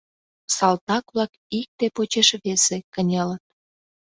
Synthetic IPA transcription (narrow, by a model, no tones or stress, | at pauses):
sɑlt̪ɑkβlɑk | ik̚t̪epot͡ɕeʃβesekənʲelət̪̚